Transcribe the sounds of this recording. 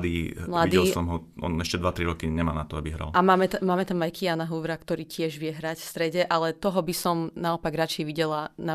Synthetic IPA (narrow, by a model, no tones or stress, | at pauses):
d̪iːmladiiɛlsɔmɦɔɔ̰nɛʃcɛd̪ʋat̪ɾiɾɔkiɲɛma̰ːnat̪ɔabiɦɾa̰lamaːmɛt̪amaːmɛt̪amajkijanaɦuʋɾakt̪ɔɾiːcɪɛʒʋɪɛɦɾacfst̪ɾɛɟɛʔalɛt̪ɔɦɔbisɔmnaɔpaɡɾat͡ʃɛɛʋiɟɛlana